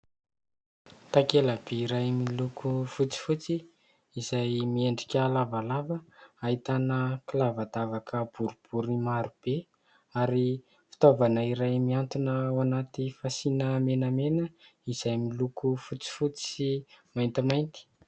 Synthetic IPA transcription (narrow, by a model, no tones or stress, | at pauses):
t̪akelab̥eiɾajmilukʰufut͡si̥fut͡si | izajmieɳɖ͡ʐi̥kʲalavalavəait̪anəkilavad̪avakʰəb̥uɾub̥uɾimaɾub̥e | aɾi | fi̥t̪ovanəiɾajmiant̪unəwanat̪ifasinəmenəmenəiz̥ajmilukufut͡si̥fut͡siimajnt̪imajnt̪i̥